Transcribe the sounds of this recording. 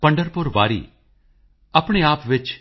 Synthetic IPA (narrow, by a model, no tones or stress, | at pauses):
pɐ̃ɳɖəɾpʊɾʋa̰ːɾḭ | ɐpɳ̃eaːpʋɪt͡ʃ